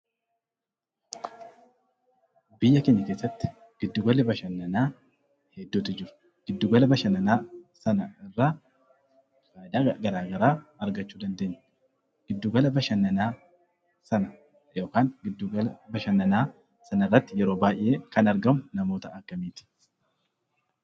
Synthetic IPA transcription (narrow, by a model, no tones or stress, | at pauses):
bɪjːɐkeɲːɐkeːsːɐt̪ːɪ̥ | ɡ̥ɪd̪ːuɡɐlɛbɐʃɐnːɐnaː | hɛd̪ːuːt̪ɪd͡ʒɪɾʊ̥ | ɡ̥ɪd̪ːuɡɐlɐbɐʃɐnɐnaːsɐnɐɪrːaː | faːd̪aːɡɐɾaːɡɐɾaːɐɾɡɐt͡ʃːuːd̪ɐnd̪e̞ːɲːɛ | ɡ̥ɪd̪ːuɡɐlɐbɐʃɐnːɐnaː | sɐnɐ | jo̞ːkaːŋɡɪd̪ːuɡɐlɐbɐʃɐnːɐnaː | sɐnɐɪrːɐt̪ːɪjɛɾo̞ːbaːʔʔɪʔeːkɐnɐɾɡɐmʊnɐmo̞ːt̪ɐɐkːɐmiːt̪ɪ̥